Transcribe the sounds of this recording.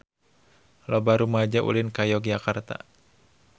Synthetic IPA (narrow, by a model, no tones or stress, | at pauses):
lɔbaɾumad͡ʒaʔṵlinkajɔɡd͡ʒakart̪a̰